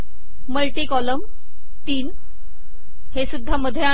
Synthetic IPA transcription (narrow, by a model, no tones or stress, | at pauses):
məlʈikɔləm | t̪iːn | hesud̪ʱːaməd̪ʱjea